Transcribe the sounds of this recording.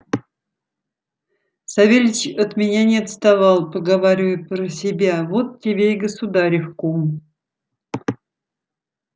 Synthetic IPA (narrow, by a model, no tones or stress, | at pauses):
sɐvʲelʲt͡ɕət̪mʲɪnʲanʲɪɐt̪st̪ɐvɑlˠpəɡɐvaɾʲɪvəjt̪̚pɾəsʲɪbʲavot̪tʲːɪbʲejɡəsʊd̪aɾʲɪfkom